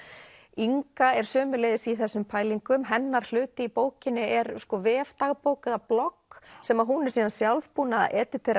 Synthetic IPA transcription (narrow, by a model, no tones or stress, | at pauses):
iŋkaɛɾ̥sœːmʏleːjðɪsiθɛsːʏmpʰaːjliŋkʏmɦɛnːaɾ̥l̥ʏːt̪ɪipoːwcɪnːɪɛɾskɔvɛːft̪aɣpowkʏðaplɔksɛmaðɦunɛɾsiːðansjalvpuːna̰ʔɛːt̪ɪɾt̪ʰejɾ